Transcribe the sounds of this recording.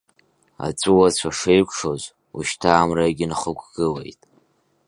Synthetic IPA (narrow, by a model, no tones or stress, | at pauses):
a̰t͡sʷʼuwat͡ɕʷʰaʂejkʷʰʼʂo̞z | uʃtʰaːmrajɡʲɪnχəkʷʰʼɡ̥ɨlejtʼ